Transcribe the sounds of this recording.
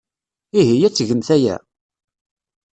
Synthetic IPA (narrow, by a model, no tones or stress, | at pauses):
iɦijæt͡sːʝənθæjæ̰